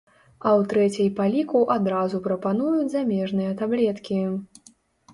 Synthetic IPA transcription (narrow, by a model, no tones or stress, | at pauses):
ɐwt̪ɾɛt͡sʲɛjpalʲikuʔad̪ɾazupɾɐpanujut͡sʲzamʲɛʐnɨjɐt̪ablʲɛt̪kʲi